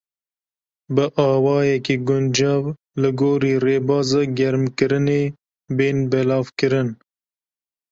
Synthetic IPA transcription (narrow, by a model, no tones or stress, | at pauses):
bəʔɑːwɑːjekeɡʊnd͡ʒɑw | lɨɡoːɾiɾeːbɑːzəɡɐɾmkɪɾɪne | beːnbelɑːfkəɾɪn